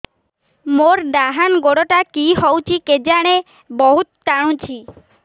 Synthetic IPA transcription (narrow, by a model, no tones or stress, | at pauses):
moɾɖ̪aɦanɡoɽoʈakiɦɔwt͡ʃʰiked͡ʒaɽ̃e | bɔɦut̪t͡ʃaɽ̃ũt͡ʃʰi